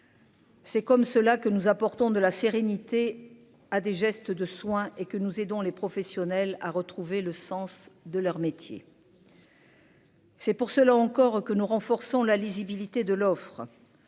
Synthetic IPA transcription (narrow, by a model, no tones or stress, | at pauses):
sɛkɔmsəlakənuzapɔʁt̪ɔ̃d̪əlaseʁenit̪e | ad̪eʒɛst̪əd̪əswɛ̃ʔekənuzed̪ɔ̃lepχɔfɛsjɔnɛla̰ʁət̪χuveləsɑ̃sd̪əlœʁmet̪jḛ | sɛpuʁsəlaɑ̃kɔʁkənuʁɑ̃fɔʁsɔ̃lalizibilit̪ed̪əlɔfχə